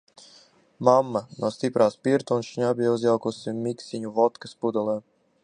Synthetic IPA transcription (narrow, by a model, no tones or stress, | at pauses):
mamːanuɔst̪ipɾaːspiɾt̪unʃɲabʲiauzʲjawkusimiksiɲuvɔt̪kaspud̪ɔlˠɛːm